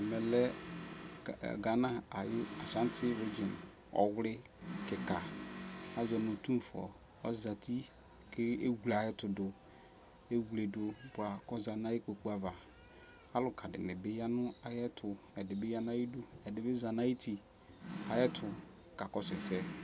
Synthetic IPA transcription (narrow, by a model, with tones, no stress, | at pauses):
mɛ˨lɛ˦˨ | ɡa˨nã˦a˨ja˨sã˦n˦tʰɪ˦ɾe˦d͡ʒɪ˨n | ɔ̰˨wʊ˦lɪ˦ | kɪ˨ka˨ | a˦zɔ˨nʊ̃˨tu˦˨fʊ˨ɔ̰˨ | ɔ˦za˨tʰi˦ | kʰɪ˦e˦ɡu˨la˨ɛ˦tʊ˨dʊ˨ | e˦wu˨le˨dʊ˨˦bʊ˨a˨kɔ˦za˨na˦ji˦k͡po˨k͡pu˦a˨va˨ | a˦lʊ˨kʰa˨dɪ̰˨mɪ˨bɪ˦ja˦nʊ˦a˨jɛ˦tʰʊ˨ | ɛ˨dɪ˨bɪ˦ja˦n˦a˦ji˦dʊ˦ɛ˨dɪ˨bɪ˦za˨na˦ji˦tʰi˨ | a˨jɛ˦tʰʊ˨ | ka˨kɔ˦sɪ˨sɛ˦